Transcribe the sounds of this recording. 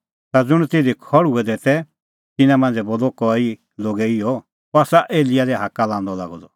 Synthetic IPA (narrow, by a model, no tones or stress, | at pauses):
t̪ad͡zʊɽ̃t̪ed̪ikʰɔɽuɛd̪eːt̪ɛ | t̪ɪnãmɐ̃nd͡zɛboːlɔkɔi | loːɡɛiɔ | pɔasaʔeːlɪjad̪ɛɦakalãːnd̪ɔla̰ːɡɔd̪ɔ